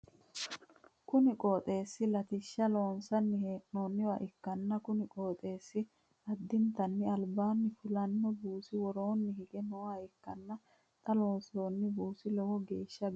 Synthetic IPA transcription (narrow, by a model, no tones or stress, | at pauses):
kʊnɪkʼoːt̪ʼe̞ːsːɪlɐt̪ɪʃːɐlo̞ːnsɐnːɪʔnoːnːɪwa̰ːʔɪkːɐnːɐkʊnɪkʼoːt̪ʼe̞ːsːɪ | ɐd̪ːɪnt̪ɐnːɪɐlbaːnːɪfʊlɐnːɔbuːsɪwɔɾoːnːɪhɪɡɛnɔwaːɪkːɐnːɐ | t̪ʼɐloːnsoːnːɪbuːsɪlɛwɔɡe̞ːʃːɐ